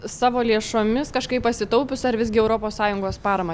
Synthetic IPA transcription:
sɑːʋoːlʲeɛʃoːmʲɪskɐʃkɐɪppɐsʲɪt̪ɐʊpʲʊsɐɾʋʲɪzɡʲɪɛʊɾoːpoːssɑːjʊŋɡoːspɑːɾɐmɐ

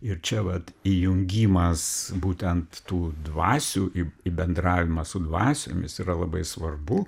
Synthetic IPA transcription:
ɪɾt͡ʃʲɛʋɐt̪ijʊŋʲɡʲiːmɐsbuːt̪ʲɛnt̪tuːd̪ʋɑːsʲuːʔɪɪbʲɛnd̪ɾɑːʋʲɪmɐsʊd̪ʋɑːsʲo̰ːmʲɪsiːrɐlˠɐbɐɪsʋɐrbʊ

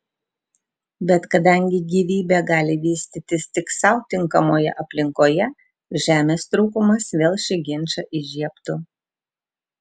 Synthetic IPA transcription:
bʲɛt̪kɐd̪ɐˑŋʲɡʲɪɡʲiːʋʲiːbʲɛɡɑːlʲɪʋʲiːsʲt̪ʲɪt̪ʲɪst̪ʲɪksɐʊt̪ʲɪŋkɐmoːjɛ̰ʔɐpʲlʲɪŋkoːjɛ | ʒʲæːmʲeːst̪ɾuːkʊmɐsʋʲeːlˠʃʲɪɡʲɪnʲt͡ʃɐʔɪʒʲiɛpt̪ʊ

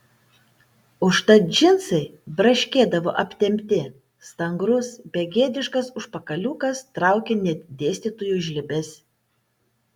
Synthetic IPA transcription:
ʊʃt̪ɐd͡ʒʲɪnsɐɪbɾɐʃʲkʲeːd̪ɐʋoːʔɐpʲt̪ʲɛmʲt̪ʲɪ | st̪ɐŋɡɾʊsbʲɛɡʲeːd̪ʲɪʃkɐsʊʃpɐkɐlʲuːkɐst̪ɾɑˑʊkʲenʲɛd̪ʲeːsʲt̪ʲiːt̪ujuːʒʲlʲɪbʲɛsʲ

